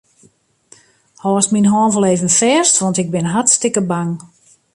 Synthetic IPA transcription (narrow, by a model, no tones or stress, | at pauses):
hɔsminɦɔːnvəleːvənfɛːstʋɔntɪk̚bɪnɦatstɪkəbaŋ